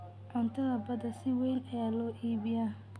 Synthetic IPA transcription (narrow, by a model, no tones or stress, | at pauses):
ʕʊnt̪ʰɐðɐbɐdɐsɪwɛjlɐjaːlɔːʔiːβɪja